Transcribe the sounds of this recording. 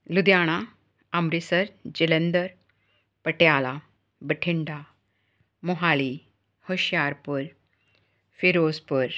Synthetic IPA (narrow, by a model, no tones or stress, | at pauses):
lud̪jaːɽ̃a | amɾisəɾd͡ʑilend̪əɾ | pəʈjaːla | bəʈʰiɳɖa | moɦaːli | hoɕjaːɾpuɾ | fiɾoːspuɾ